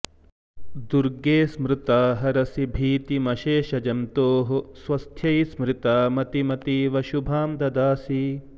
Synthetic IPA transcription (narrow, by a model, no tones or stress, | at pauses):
d̪uɾɡeːsmɾɪt̪aːɦɐɾɐsibʱiːt̪imɐʃeːʃɐd͡ʒɐnt̪oːɦusʋɐst̪ʰjɐjsmɾɪt̪aːmɐt̪imɐt̪iʋɐʃubʱaːmd̪ɐd̪aːsi